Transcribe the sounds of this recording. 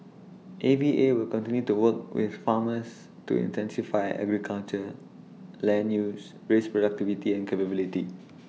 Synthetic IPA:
ʔeviʔewilkɔ̃ntĩnjutuwək̚wɪ̰θfaməs | tṵḭ̃ntɛ̃nsifaɪɛ̰ɡɹikʰalt͡ʃə | lɛ̃njus | ɹespɹodak̚tivitiɛ̃nkʰepəbiliti

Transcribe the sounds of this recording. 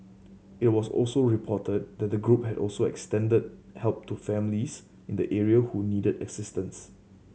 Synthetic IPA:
ɪt̚wɔsɔ̰lsoɹipʰɔtəd̚dɛt̚dəɡɹup̚hɛdɔ̰lsoɛ̰kstɛ̃ndəd̚hɛlp̚tufɛ̃mlis | ɪ̃ndəʔɛɹiəhunidədɛ̰ɡsɪstə̃ns

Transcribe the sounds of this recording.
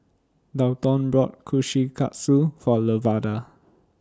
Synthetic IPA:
dawtɔ̃nbɹɔt̚kʰuʃikʰa̰ʔsufɔləvada

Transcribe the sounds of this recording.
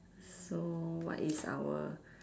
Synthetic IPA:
sowɔ̰ʔisa̰wə

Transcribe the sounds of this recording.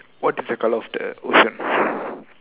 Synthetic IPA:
wɔtizɛkʰalɔfdɛo̰ʃɔ̃n

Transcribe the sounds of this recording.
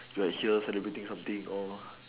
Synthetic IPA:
juɛthiəsɛlibɹetĩŋsãmt̪ĩŋɔ

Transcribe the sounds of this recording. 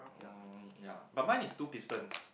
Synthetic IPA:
jajabat̚mãnistupistə̃ns

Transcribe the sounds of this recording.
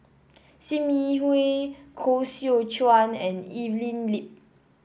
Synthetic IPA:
simihwekʰosiot͡ʃwãnɛ̃nivlĩnlip̚

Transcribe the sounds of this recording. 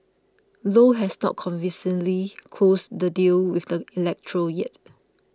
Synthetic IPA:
loɦɛsnɔ̰t̚kʰɔ̃nvĩsə̃nlikʰlosdədilwɪfdəilɛk̚tʰɹəjɛt̚

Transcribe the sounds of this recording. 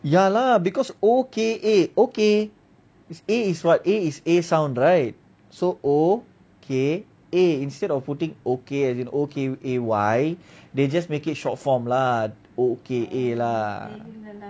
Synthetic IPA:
jalabikɔsokeʔeoke | seiswat̚eisesãw̃ndɹajt̚ | soʔo | kʰe | eĩnstɛdɔfputĩŋokeɛsĩnokeʔewajded͡ʒasmekit̚ʃɔt̚fɔ̃mla | okeʔela

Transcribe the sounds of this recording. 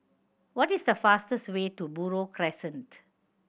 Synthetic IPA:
wɔtisdəfastəstweːtubuɹokʰɾɛsə̃nt

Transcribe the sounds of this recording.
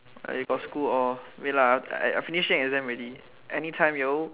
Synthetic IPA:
a̰juɡɔtskulɔwelaa̰a̰finiʃɛ̃ŋɛzɛ̃mɹedi | ʔɛnitʰãɪ̃mjo

